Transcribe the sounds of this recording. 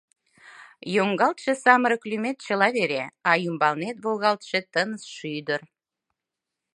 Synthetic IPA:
joŋɡɑlt̪ʃĕsɑməɾəklymet̪t͡ɕə̆lɑβeɾeɑjymbɑlnet̪̚βoɣɑlt̪ʃĕt̪ənəsʃyjd̪ə̆r

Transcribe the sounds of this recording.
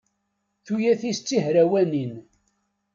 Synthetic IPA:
θujæθist͡sːiɦɾæwænin

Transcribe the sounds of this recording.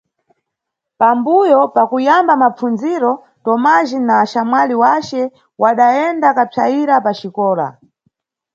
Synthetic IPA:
pambujɔpakujambamap͡funziɾɔ | tɔmaʒinaːʃamwaliwat͡ʃɛ | waɗaɛndakapʰaiɾapat͡ʃikɔːla̰

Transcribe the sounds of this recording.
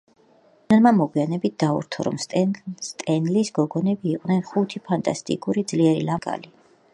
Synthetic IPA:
nmamɔɡwianɛbit̪̚d̪̥aṵɾt̪ʰɔɾɔ̰msst̪ʼɛnlisɡɔɡɔnɛbiːqʼnɛnχut̪ʰipʰant̪ʼast̪ʼḭkʼuɾid̪zliɛɾḭlaɡʼa̰li

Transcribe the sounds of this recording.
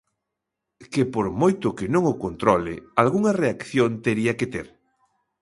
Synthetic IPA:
kepoɾmojt̪ʊkɪnõŋokont̪ɾɔlɪ̰alɣuŋɐreakθjont̪eɾiɐket̪eɾ

